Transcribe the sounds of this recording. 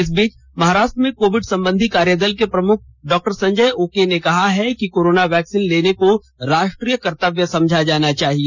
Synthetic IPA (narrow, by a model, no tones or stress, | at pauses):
ɪs̬biːt͡ʃ | mɐɦaːɾaːʃʈɾəmẽkoːʋɪɖsɐ̃mbə̃nd̪ʱikaːɾjəd̪əlkepɾɐmʊk̚ʰɖɔːk̚ʈəɾsɐ̃ɲd͡ʒəjoːkenekɐɦaɦɛkikoːɾoːnaʋɛːksiːnleːneko | ɾaːʃʈɾiːjəkɐɾt̪əʋjəsɐ̃md͡ʒʱad͡ʒaːnat͡ʃaːɦie